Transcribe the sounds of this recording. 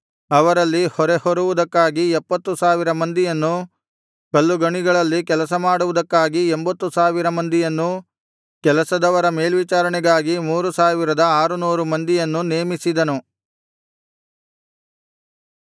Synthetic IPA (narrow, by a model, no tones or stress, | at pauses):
ɐʋɐɾɐlːihɔɾehɔɾuʋud̪ɐkːaːɡiɛpːɐt̪ːusaːʋiɾɐmɐnd̪ijɐnːu | kɐlːuɡɐɳiɡɐɭɐlːikɛlɐsɐmaːɽuʋud̪ɐkːaːɡiɛmbɐt̪ːusaːʋiɾɐmɐnd̪ijɐnːu | kɛlɐsɐd̪ɐʋɐɾɐme̞ːlʋit͡ʃaːɾɐɳɛɡaːɡimuːɾusaːʋiɾɐd̪ɐaːɾunuːɾumɐnd̪ijɐnːuneːmisid̪ɐnu